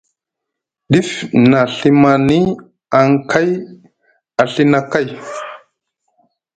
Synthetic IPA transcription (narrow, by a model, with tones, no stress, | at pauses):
ɗi˦fna˨ɬi˦ma˨ni˦ | a˨ŋkʰa˦j | a˨ɬi˦na˨ka˦˨j